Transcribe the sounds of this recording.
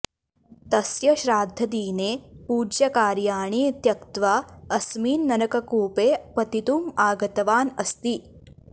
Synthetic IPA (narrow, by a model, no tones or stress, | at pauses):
t̪ɐsjɐɕɾaːd̪ʱːɐd̪iːneːpuːd͡ʒjɐkaːɾjaːɳ̃it̪jɐkt̪ʋaɐsmiːnːɐnɐkɐkuːpeːpɐt̪it̪uːmaːɡɐt̪ɐʋaːnɐst̪iː